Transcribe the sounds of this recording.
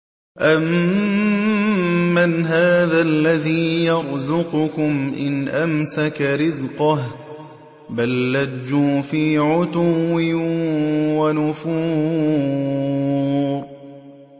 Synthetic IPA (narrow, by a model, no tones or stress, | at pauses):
ʔam | anɦaːðalːaðiːjɑɾˤzʊqʊkʊmʔɪnʔamsakaɾɪzqɑh | balːad͡ʒːuːfiːʕʊt̪ʊwɪ | wanʊfuː | ɾˤ